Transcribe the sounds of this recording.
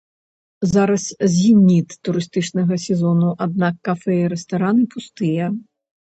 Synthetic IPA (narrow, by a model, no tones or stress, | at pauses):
zaɾɐszʲimʲnʲit̪ːuɾɨst̪ɨt͡ʂnɐɣɐsʲɛzɔnuʔad̪̚nakːafɛjiɾɛst̪aɾanɨpust̪ɨjɐ